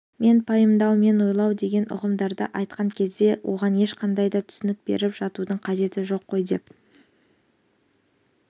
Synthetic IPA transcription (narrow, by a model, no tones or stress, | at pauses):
me̞npʰɑjəmd̪ɑwme̞nwo̞jlˠɑwd̪e̞ɡʲe̞nʔʊ̰ʁəmd̪ɑɾd̪ə̰ʔɑjt̪̚qɑŋkʲʰe̞zd̪e̞wʔo̞̰ʁɑne̞ʃqɑnd̪ɑjd̪ɑt̪ʰʏ̥sɪnɪk̚bḛɾɪpʒ̥ɑt̪ud̪əɴqʰɑʒe̞t̪ɪʒo̞qʰːo̞jd̪e̞p̚